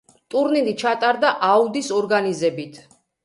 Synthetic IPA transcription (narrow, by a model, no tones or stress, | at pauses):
t̪ʼuɾnid̪it͡ʃʰat̪ʼaɾd̪aʔaud̪isɔɾɡanizɛbit̪ʰ